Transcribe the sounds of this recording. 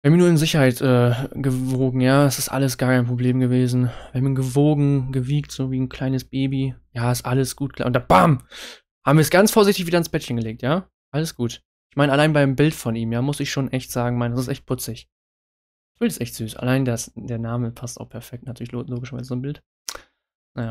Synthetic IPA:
vɛmiɐnuːɐɪnzɪçɐhaɪtʔɛːɡ̥əvoːɡŋ̩jaːasɪstʔa̰ləs̬ɡ̥aːɐkʰaɪnpʁ̥obleːmɡəveːzn̩vaːɐmiːɡəvoːɡŋ̩ɡəviːktz̥oːviːnkʰl̥aɪnəsb̥eːbijaːɪstʔaləsɡ̥uːt̚kla̰ːʊnd̥ab̥aːm | haːbmviːɐsɡ̥ant͡sfoːɐzɪçtɪçviːdɐɪnsb̥ɛtçənɡəleːk̚tjaː | ʔaləsɡ̥uːt | ʔɪçmaɪnəalaɪnəbaɪmbɪltfɔnʔiːmjaːmʊsɪçʃoːnʔɛçtz̥aːɡŋ̩maɪndasɪstʔɛçt̚pʰʊt͡sɪç | ɪçb̥ɪltɪstʔɛçtz̥yːsa̰laɪnədasd̥eːɐnaːməpʰasta̰ʊxpʰɛɐfɛk̚tnatʰyɐɪçloloːɡɪʃaɐvaɪzəzoːnbɪlt | najaː

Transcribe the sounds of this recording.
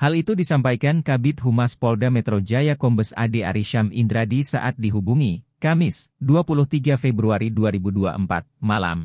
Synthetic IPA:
halit̪udisampajkankabɪt̪̚ɦumaspɔldamɛt̪ɾod͡ʒajakɔmbəsa̰dea̰ɾiʃamindɾadisa̰ʔat̪̚diɦubuŋikamɪsduapuluht̪iɡafɛbɾuaɾiduaɾibudua̰ʔəmpa̰t̪̚mala̰m

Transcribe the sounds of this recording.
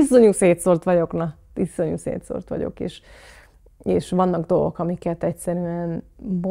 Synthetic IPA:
iso̞ɲuseːt̪sort̪ʋɒɟo̞knɒ | tiso̞ɲusḛːt̪so̰rt̪ʋɒ̰ɟo̰kḛːʃ | eːʃʋɒnːɒɡd̪o̞lɡo̰kɒmikɛt̪ɛcsɛɾyɛnbo

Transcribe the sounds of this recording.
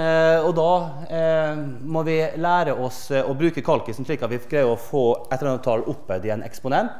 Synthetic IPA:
ɔd̪ɑ | mɔʋɪlæːɾəɔsɔbɾʉːkəkʰɑlkəsɔm̩ʂɭiːkɑt̪ʋɪɡɾæɪəɔfoːʔɛt̪əɾɑnət̪ʰɑlʔʊpːəd̪ɪɛnʔɛ̰kspʊnɛnt̪

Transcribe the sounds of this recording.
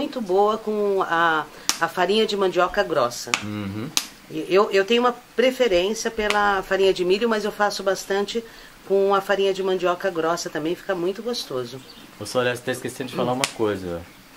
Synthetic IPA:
ũj̃t̪ʊbowɐkõaː | faɾĩɲɐd͡ʒɪmɐ̃nd͡ʒiɔkɐɡɾɔsɐ̃ | ɪʔewewt̪ẽɲʊ̃ũmɐpɾefeɾẽsjɐpelɐfaɾĩɲɐd͡ʒɪmiʎʊmɐzewfasʊbast̪ɐ̃nt͡ʃɪ | kõɐfaɾĩɲɐd͡ʒɪmɐ̃nd͡ʒiɔkɐɡɾɔsɐt̪ɐ̃mbẽj̃fi̥kɐmũj̃t̪ʊɡost̪ozʊ | osoalɛsɐ̥t̪aɪskesẽnʊd͡ʒɪfalaũmɐkojzɐ̰

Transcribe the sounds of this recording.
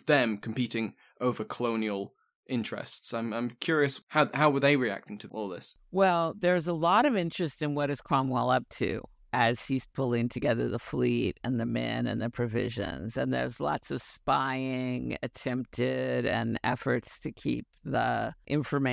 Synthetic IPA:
ðɨ̃mkʰm̩piɾɪ̃ŋ | ʔoʊvə˞kʰəlõʊ̃niəlˠ | ʔɪ̃nt͡ʃɹ̥ɛ̰stsãɪ̃mãɪ̃mkʰj̥ʊɹiɨshaʊhaʊwə˞ðeɪɹiæ̰k̚tɪ̃ŋtʰəʔɔ̰lˠðɪs | wɛlˠðə˞zəlɔɾʌvɪ̃nt͡ʃɹ̥ɨstɨ̃nwʌɾɨz̥kʰɹ̥ɑ̃mwɛlˠʌp̚tʰʉ̰ | ʔɨz̥iz̥pʰʊlˠɪ̃ŋtʰɨɡɛðə̰˞ðəfliɾɨ̃nðɨmɛ̰̃nɨ̰̃nðɨpʰɹ̥ɨvɪ̰ʒɨ̰̃nzɨ̃nðə̰˞zlɔ̰tsʌv̥spaɪɪ̃ŋɨ̰tʰɛ̃mp̚tʰɪɾɨ̰̃nɛ̰fə˞tstʰɨkʰḭp̚ðə̰ʔɪ̃ɱfə˞me

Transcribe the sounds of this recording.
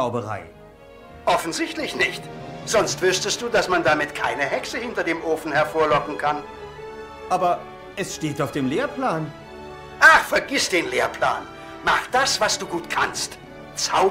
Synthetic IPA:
aʊbəʁa̰ɪ | ʔɔfn̩zɪçtlɪçnɪçtz̥ɔnstv̥ʏɐstəst̚d̥uːdasmandamɪtkʰaɪnəɦɛksəhɪntɐdeːmʔoːfn̩hɛɐfoːɐlɔkŋ̩kʰan | ʔaːbɐ | ʔɛsʃteːtaʊfd̥eːmleːɐpʰl̥aːn | ʔaχfɛɐɡɪsd̥eːnleːɐpl̥a̰ːn | maχd̥asv̥asd̥uːɡuːtkʰa̰nst | t͡saʊ

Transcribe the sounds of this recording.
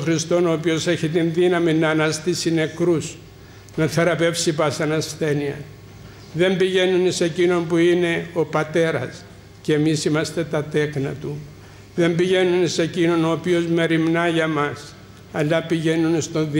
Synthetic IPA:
xɾist̪o̞no̞ːpio̞se̞çit̪inðinɐminːɐːnɐst̪isine̞kɾus | nɐθe̞ɾɐpe̞fsipɐsɐnɐsθe̞niɐ̰ | ðe̞mbiʝe̞nunise̞cino̞mpuine̞o̞pɐt̪e̞ɾɐs | ceːmisimɐst̪e̞t̪ɐt̪e̞knɐt̪u | ðe̞mbiʝe̞nunse̞cino̞no̞ːpio̞zme̞ɾimnɐʝɐmɐs | ɐlːɐpiʝe̞nunst̪o̞nði

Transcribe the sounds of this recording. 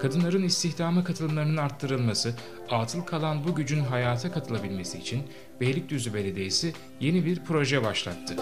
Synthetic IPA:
kʰad̪ɯnlˠaɾɯnist̪ʰiçd̪aːmɯkʰat̪ʰɯlˠɯmlˠaɾɯnɯnaɾt̪ʰːɯɾɯlˠmasɯ | at̪ʰɯlˠkʰalˠanbuɟyd͡ʒynɦajaːt̪ʰakʰat̪ʰɯlˠabilʲme̞siːt͡ʃʰin | bejlʲic̚d̪yzybe̞lʲed̪e̞jisi | je̞nibiɾpʰɾo̞ʒɛbaʃlˠa̰t̪ʰːɯ

